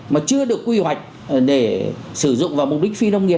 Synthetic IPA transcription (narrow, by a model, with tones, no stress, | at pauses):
maː˨˩t͡ɕɨ˧əɗɨ˨˩əkːwi˧hwa˨˩jk̚ | ɗe˧˩sɨ˧˩zʊ̰˧˨ŋ͡mvaː˨˩wmʊ˨˩k͡p̚ɗï˦˥k̚fi˧nə˧wŋ͡mŋi˨˩ə